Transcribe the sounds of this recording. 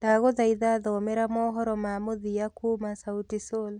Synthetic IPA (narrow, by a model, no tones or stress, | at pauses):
d̥aɣoðaiðaðɔmɛɾamɔɦɔɾɔmamoðijakomasautisol